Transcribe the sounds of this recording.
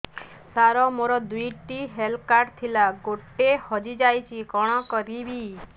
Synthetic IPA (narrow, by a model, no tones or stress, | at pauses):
saɾɔmoɾɔd̪ujʈiɦelkaɾt̪ʰilaɡoʈːehɔd͡ʒid͡ʒajt͡ʃʰikɔɽ̃ɔkɔɾibi